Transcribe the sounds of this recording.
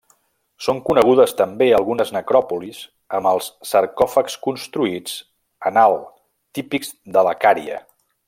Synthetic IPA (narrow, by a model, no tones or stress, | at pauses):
soŋkunəɣ̞uðəst̪əmbeəlˠɣunəznəkɾɔpuliz | əməlˠsːəɾkɔfəkskunst̪ɾuid͡z | ənalˠ | t̪ipiɡzd̪ələkaɾiə̰